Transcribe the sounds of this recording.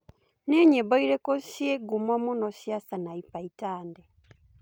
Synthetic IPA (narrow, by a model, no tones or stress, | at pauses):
neɲeboiɾekosjeɡumwamunosjasanaipaitaːnde